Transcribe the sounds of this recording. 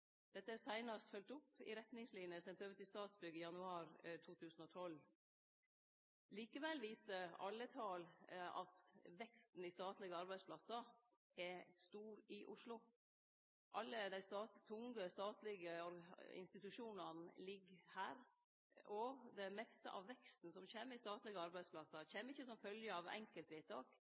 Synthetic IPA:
d̪̥ɛt̪ːəæsæɪnɑst̪fœlt̪ʊpːɪ̰ɾɛt̪nɪŋslɪnjəsɛnt̪øːʋət̪ɪst̪ɑːt̪sbʏɡɪjɑnʉɑːɾt̪ʰuːt̪ʰʉːsn̩ɔt̪ʰɔl | liːkəʋɛlʋiːsəɾɑ̰lːət̪ʰɑːlɑ̰t̪ʋɛkst̪n̩ɪst̪ɑːt̪lɪɡəɑɾbæɪspʰlɑsɑ | ɛst̪uːɾɪʔʊʂlʊ | ʔɑlːəd̪æɪst̪ɑːt̪ʰʊŋɡəst̪ɑːt̪lɪɡəɔɾɪ̰nst̪ɪt̪ʉʂuːnɑnlɪɡhæːɾ | ʔɔd̪ɛmɛst̪ə̰ʔɑ̰ʋʋɛkst̪n̩sɔmçeːməɪst̪ɑːt̪lɪɡəɑɾbæɪsplɑsɑçeːməɪçːəsɔmfœljəɑʋɛ̰ŋkəlt̪ʋeːt̪ʰːɑːk

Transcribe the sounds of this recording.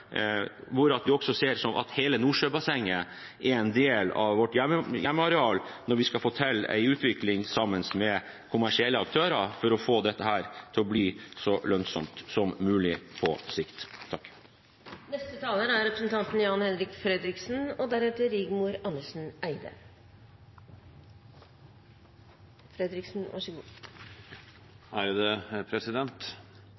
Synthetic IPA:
ʋʊɾɑt̪ʋɪɔksɔseːɾʂɔmʔɑ̰t̪heːlənuːʂøːbɑsɛŋːə | ɛɾɛnd̪eːlɑ̰ʋʋɔʈːjɛməjɛmːəɑɾɛɑːlnɔɾʋɪskɑfɔʈʰɛlːæ̰ɪʉːt̪ʰʋɪklɪŋsɑmːənsmɛ | kʰʊmæʂɪɛlːəɑkt̪ʰøːɾɑfɔɾɔfoːd̪ɛt̪ːəhæːɾt̪ʰɪlɔbliːsɔlœnsɔ̰mt̪sɔmːʉːlɪpʰɔ̰sɪkt̪ʰːɑkː | nɛst̪ət̪ʰɑːləɾəæɾɾɛpɾəsn̩t̪ʰɑnt̪n̩jɑːnhɛnɾɪkfɾɛd̪ɾɪksn̩ɔd̪æɾɛt̪əɾɪːɡmuɾɑnːəʂn̩æɪd̪ə̰ | fɾɛd̪ɾɪksn̩ʋʔɑ̰ʂəɡṵː | æɾjʊd̪ɛpʰɾɛsɪd̪ɛnt̪

